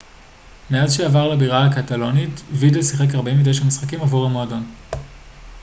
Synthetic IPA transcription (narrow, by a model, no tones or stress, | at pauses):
meazʃeavaʁlabiʁaakatalo̞nitvidlesiχe̞kaʁbemidejʃamisχakimavuʁamoadon